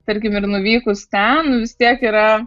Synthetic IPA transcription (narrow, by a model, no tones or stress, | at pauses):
t̪ɐɾʲkʲɪmɪɾnʊʋʲiːkʊst̪ʲɛnnʊʋʲɪst̪ʲiɛkiːɾɐ